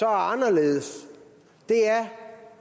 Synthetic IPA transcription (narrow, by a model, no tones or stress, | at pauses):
ɒɑnɐle̝ːð̩ˠəs | d̥e̝æɐ